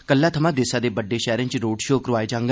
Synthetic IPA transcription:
kəlːat̪ʰəmãd̪eːsad̪ebəɖːeʃɛːɾə̃nt͡ʃɾoːɖʃoːkɾʊʋaːed͡ʒãːŋɡ

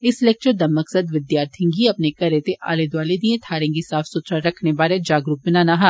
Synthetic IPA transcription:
ɪslek̚t͡ʃəd̪ɐmːɐksəd̪ʋɪd̪jaːɾt̪ʰĩŋɡiɐpnekɐɾeːt̪eʔa̰ːled̪ʋaːled̪iẽt̪ʰaːɾẽŋɡisaːfsʊt̪ɾaɾɐkʰnebaːɾed͡ʒaːɡɾuk̚bɪnaːnaːɦa

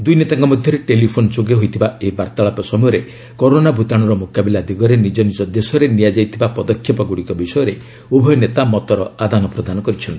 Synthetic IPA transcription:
d̪ujnet̪aŋkɔmɔd̪ʱjɔɾeʈelipʰonɔt͡ʃoɡeɦojt̪ʰibaebaɾt̪aɭapɔsɔmɔjɔɾe | kɔɾonabʱut̪aɽ̃ɔɾɔmukabilad̪iɡɔɾenid͡ʒɔnid͡ʒɔd̪esɔɾenijad͡ʒajt̪ʰibapɔd̪ɔkʰːjɔpɔɡuɽikɔbisɔjɔɾe | ubʱɔjɔnet̪amɔt̪ɔɾɔad̪ʱanɔpɾɔd̪anɔkɔɾit͡ʃʰɔnt̪i

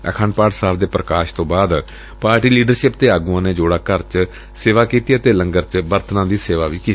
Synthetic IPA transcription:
ə̰kʰəːɳpaːʈsaːʋd̪eːpɾəkaːʃt̪õːbaːd̪ | paːɾʈiːliːɖəɾʃɪp̚d̪eːaːɡuãːneːd͡ʒoːɽaːkəɾt͡ʃ | seːʋaːkiːt̪iːət̪eːləŋɡəɾt͡ʃbəɾt̪ʰnãːd̪iːseːʋaːʋiːkiː

